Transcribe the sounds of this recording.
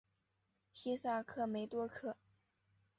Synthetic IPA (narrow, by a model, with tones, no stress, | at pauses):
ɕi˥sa˥˩kʰɤ˥˩me˧˥ɪt̪wɔ˥kʰɤ˥˩